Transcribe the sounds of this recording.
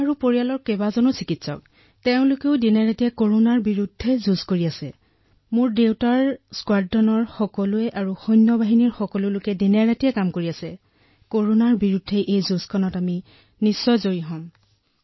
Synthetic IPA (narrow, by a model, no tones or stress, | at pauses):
aɹupoɹialɔɹkɛbazɔnʊsikitsɔ̰k̚ | teʊ̃lʊkeʊdinaɹatiɛkoɹonaɹbiɹudʱːɛzuzkoɹiasɛ | mʊɹdewtaɹskwaddɔnɔɹxɔkɔlʊɛʔaɹuxɔjnːɔbaɦiniɹxɔkɔlʊlʊkɛdinaɹatijɛkamkoɹiasɛ | koɹonaɹbiɹudʱːɛʔejzuskʰɔnɔtami | nisːɔjzoɹiɦɔ̃m